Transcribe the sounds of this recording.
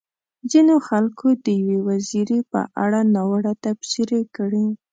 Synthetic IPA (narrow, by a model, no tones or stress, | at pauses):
zinoxalkʰod̪əjawewaziɾepə̰ʔa̰ɽanawaɽat̪absiɾekɽi